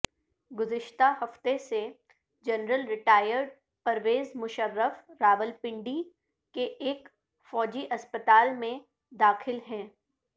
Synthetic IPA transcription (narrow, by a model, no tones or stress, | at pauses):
ɡʊzɪʃt̪ahɦɐft̪ese | d͡ʒɐnɾəlɾɪʈaːjəɾɖ | pɐɾʋeːzmʊʃəɾːəfɾaːʋəlpɪ̃ɳɖi | keʔeːk | fɔːd͡ʒiʔɐspət̪aːlmẽ | d̪aːxɪlɦɛ̃ː